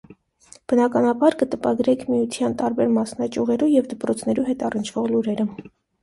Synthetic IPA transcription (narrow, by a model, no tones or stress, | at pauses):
b̥ənɑkɑnɑbɑɾkət̪əpɑɡɾɛkʰmijut̪ʰjɑnt̪ɑɾbɛɾmɑsnɑt͡ʃuʁɛɾujɛvd̪əpɾɔt͡sʰn̪ɛɾuɦɛt̪ɑrənt͡ʃʰv̥ɔʁluɾɛɾə